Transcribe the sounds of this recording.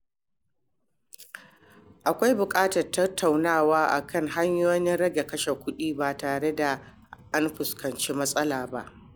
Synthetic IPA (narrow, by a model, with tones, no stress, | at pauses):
ʔa˨kʷa˦jbʊ˨kʼaː˦tɐ˨rtɐ˦tʰːa˨wnaː˦˨waː˦ʔa̰˨kʰɐ˦ŋɦa˦ɲjoː˦nɪ˦nɽɐ˦ɡʲe˨kɐ˦ʃe˨kʷʊ˦ɗiː˦baː˨taː˨ɽe˦da˨ | ʔa˦nɸʊ˨skɐ˨nt͡ʃeː˦mɐ˦sʼɐ˦laː˨ba˦ʔ